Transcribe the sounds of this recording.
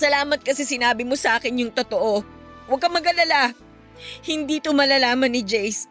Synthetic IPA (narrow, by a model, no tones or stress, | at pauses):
sɐlaːmɐt̪̚kɐsɛsɪnaːbɪmosɐʔaːkɪnjʊŋt̪ot̪oʔo̞ | wɐɡ̚kɐmɐɡɐlɐla | hɪnd̪iːt̪omɐlaːlaːmɐnːɪd͡ʒɛjs